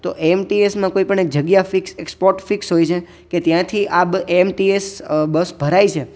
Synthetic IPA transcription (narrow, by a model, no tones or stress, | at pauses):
t̪o̰ʔeemʈiesmãkoipəɳ̃ek̚d͡ʒəɡjafiksekspoɾʈfiksɦojt͡ʃʰe | ket̪jãt̪ʰiʔabeemʈiesbəsbʱəɾait͡ʃʰe